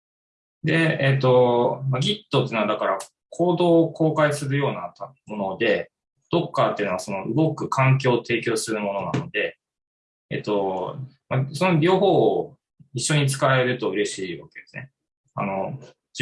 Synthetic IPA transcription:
d̪e̞et̪ːo̞maɡʲit̪ːot̪ːeiːnoad̪akaɾa | kʰo̞ːd̪o̞ːko̞ːkaisɨɾɯ̟jo̞ːnat̪mo̞no̞d̪e̞ | d̪̥o̞kːat̪eiɯ̟noaso̞no̞ɯɡo̞kɯ̟kʰãŋk̬ʲo̞ːt̪ʰe̞ːkʲo̞ːsɨɾɯ̟mo̞no̞na̰no̞d̪e̞ | ḛt̪ːo̞maso̞no̞ɾʲo̞ːɦo̞ː | iɕːo̞ɲ̟it͡sɨ̥kae̞ɾɯ̟t̪o̞ɯ̟ɾe̞ɕiːβake̞d̪̥e̞sɨne̞ | a̰no̞

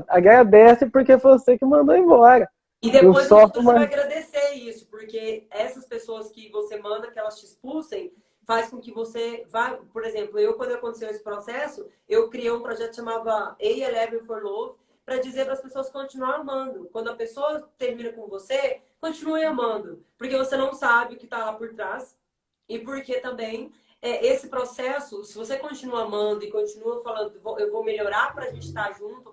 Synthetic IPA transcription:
ɐɡajɐd̪ɛsɪpoɾkefosekɪmɐ̃nd̪oẽvɔɾɐ | ɪd̪epẽojzsɔt̪maaɡɾad̪eseɾisʊ̥poɾkeɛsɐspesoɐskɪvosemɐ̃nd̪ɐkɪɛlɐst͡ʃɪispulsẽj̃ | faskõkɪvosevajpoɾezẽmplʊewkwɐ̃d̪ʊewɐkõt̪esewesɪ̥pɾɔsɛsʊ | ewkɾiejũpɾɔʒɛt̪ʊ̥ʃãmavɐejelɛvɪfojlovɪ | pɾɐd͡ʒizeɾpɾɐspesoɐskõnt͡ʃinuɐ̃amɐ̃nd̪ʊkwɐ̃nd̪ʊɐpesoɐt̪eɾmĩnɐkõvose | kõt͡ʃĩnuẽɐmɐ̃nd̪ʊpoɾkevosenɐ̃w̃sabɪʊkɪt̪alapoɾt̪ɾas | ɪpoɾket̪ɐ̃mbẽj̃ | ɛʔesɪpɾosɛsʊsɪvosekõt͡ʃinuɐamɐ̃nd̪ʊɪkõt͡ʃĩnuɐfalɐ̃nd̪ʊvowʔewvowmeʎoɾaɾpɾɐaʒẽnt͡ʃɪ̥t̪aʒũt̪ʊ

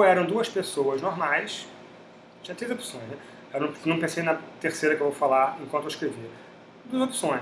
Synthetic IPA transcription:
ɛɾɐ̃w̃d̪uɐspesowɐʒnoɾmajs | t͡ʃĩɐt̪ɾejzopsõj̃znɛ | ɛnɐ̃nɐ̃pẽsejnɐt̪eɾsejɾɐkewvowfalaɾẽkwɐ̃t̪ueɪiʃkɾevi | d̪uɐzopsõj̃s

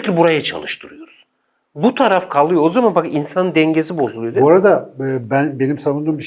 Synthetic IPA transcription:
clʲibuɾajat͡ʃʰa̰lˠɯʃt̪ʰɯɾɯjo̞ɾuz̥ | but̪ʰaɾafkʰalˠɯjoozamanbakinsanɯnd̪ɛɲɟesibo̞zulˠujd̪oɾad̪aːbænbe̞nimsavund̪ɯːmbi

